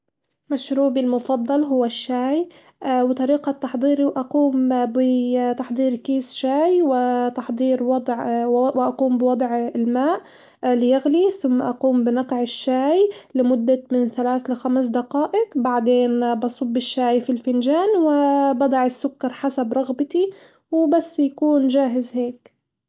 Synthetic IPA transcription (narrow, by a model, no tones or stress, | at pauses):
maʃɾuːbilmʊfɑd̪ˤːɑlɦʊwːaʃːaːj | ʔwɪt̪ˤɑɾiːqɑt̪ːɑħd̪ˤiːɾiwʔɑquːmbɪt̪ɑħd̪ˤiːɾkiːsʃaːjwɪt̪ɑħd̪ˤiːɾwɑd̪ˤʕwʔɑquːmbɪwɑd̪ˤʕɪlmaːʔ | lɪjaɣliθʊmːaʔɑquːmbɪnɑqʕɪʃːaːjlɪmʊd̪ːamɪnθalaːθlɪxamsd̪aqɑːʔɪkbaʕd̪eːnbɑsˤʊbːɪʃːaːjfilfɪnʒaːnwɪbɑd̪ˤɑʕɪsːʊkːɑɾˤħasabɾˤɑɣbɪt̪i | wɪbasːjakuːnʒaːɦɪzheːk